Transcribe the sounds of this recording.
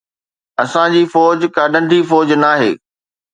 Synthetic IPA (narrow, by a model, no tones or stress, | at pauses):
ɐsãd͡ʑiːfɔːd͡ʑkaːɖə̃nʈiːfɔːd͡ʑnaːɦḛː